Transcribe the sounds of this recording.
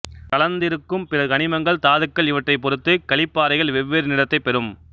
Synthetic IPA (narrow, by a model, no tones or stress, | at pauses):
kɐɭɐnd̪ɪɾɯkːɯmpɪɾɐkɐɳɪmɐŋɡɐɭt̪aːðɯkːɐɭɪʋɐʈrɐɪpːɔɾɯt̪ːɯkɐɭɪpːaːɾɐɪɣɐɭʋɛʋːeːɾnɪɽɐt̪ːɐɪpːɛɾɯm